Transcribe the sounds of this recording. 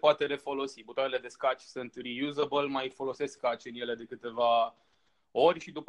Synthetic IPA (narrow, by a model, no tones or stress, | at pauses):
poat̪e̞ɾe̞fo̞lo̞sibut̪aɾele̞d̪e̞skat͡ʃʲsunt̪rijuzəbəlmajfo̞lo̞se̞skkat͡ʃɨnje̞le̞d̪e̞kɨt̪e̞va | o̞rʲʃid̪up